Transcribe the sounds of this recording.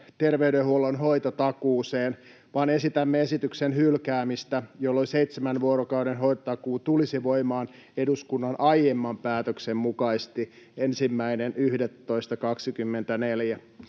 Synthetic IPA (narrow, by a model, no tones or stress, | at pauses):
t̪erʋeyɾehuolonɦoit̪ot̪ɑkuːseːn | ʋɑːne̞sit̪æmːeesit̪yksenhylkæːmist̪æjolːoliseit̪semænʋuoɾokɑuɾenɦojt̪ɑt̪ɑkuːt̪ulisiʋoimɑːn | eduskunːɑnʔɑjemːɑmpæːt̪øksemmukɑist̪i | ensimːæinenʔyhdet̪ːoist̪ɑkɑksikymːent̪æneljæ